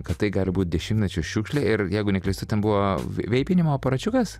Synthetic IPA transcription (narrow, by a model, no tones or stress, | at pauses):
kɐt̪t̪ɐɪɡɑːlʲɪbuːt̪̚ʲd̪ʲɛʃʲɪmt̪ʲnʲɛt͡ʃʲʊʃʲuːkʃʲlʲeːɪɾjɛɪɡʊnʲɛklʲɛɪst̪ʊt̪ʲɛnbʊʋoːʋʲɛɪpʲɪnʲɪmoːpɐɾɐt͡ʃʲʊkɐs